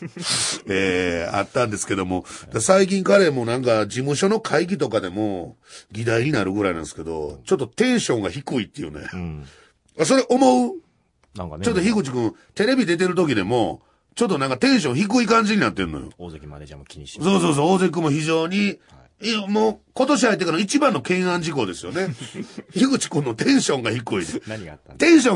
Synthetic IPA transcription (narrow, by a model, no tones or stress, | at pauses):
eːa̰t̪ːãnd̪e̞sɨ̥ke̞d̪o̞mo̞d̪̥asaik̬ʲĩŋkaɾe̞mo̞ːnãŋkad͡ʑimɯ̟ɕo̞no̞kʰaik̬ʲit̪o̞kad̪e̞mo̞ | ɡʲid̪aiɲ̟inaɾɯ̟ɡɯ̟ɾainãnsɨ̥ke̞d̪o̞̰t͡ɕot̪̬ːo̞t̪ẽ̞ɰ̃ɕõ̞ŋɡaçikɯ̟it̪ːejɯ̰nḛ | as̬o̞ɾe̞ʔo̞mo̞ɯ | t͡ɕo̞t̪̬ːoçikɯ̟t͡ɕikɯ̟̃t̪e̞ɾe̞bʲid̪e̞t̪̬e̞ɾɯ̟t̪̬o̞k̬ʲid̪e̞mo̞ | t͡ɕo̞t̪ːonãŋkat̪ẽ̞ɰ̃ɕ̬õ̞ɰ̃çik̬ɯ̟ikãɲ̟d͡ʑiɲ̟inat̪ːe̞nːo̰jo̰ | so̞ːso̞ːs̬oːzek̬ɯmoçiʑo̞ːɲ̟i | moko̞t̪o̞ɕ̬ihait̪̬ːekanoit͡ɕibãnːo̞kẽ̞ɰ̃ãɲ̟d͡ʑiko̞d̪e̞sɨjo̞ne̞çiɡɯ̟t͡ɕi̥kɯ̟̃nːot̪ẽ̞ɰ̃ɕõ̞ŋɡaçikɯit̪ẽ̞ɰ̃ɕ̬õ